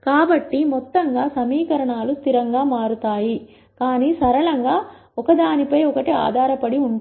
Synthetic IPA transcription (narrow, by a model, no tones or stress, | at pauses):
kaːbɐʈːimɔt̪ːɐŋɡaːsɐmiːkɐɾɐɳaːlust̪ʰiɾɐŋɡaːmaːɾut̪aːji | kaːniːsɐɾɐɭɐŋɡaː | ɔkɐd̪aːnipɐjɔkɐʈia̰ːd̪ʱaːɾɐpɐɽiuɳ